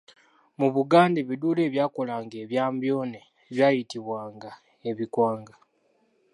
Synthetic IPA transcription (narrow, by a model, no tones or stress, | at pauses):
muβuɡaːndeβiduːle̞ːβjaːko̞laːŋɡe̞ːβjaːmbjo̞ːne | βjaːjitiβwaːŋɡa | eβikwaːŋɡa